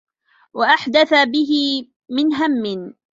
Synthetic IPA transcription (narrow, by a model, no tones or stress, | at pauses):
waʔaħd̪aθabɪɦɪ | mɪnɦamːɪn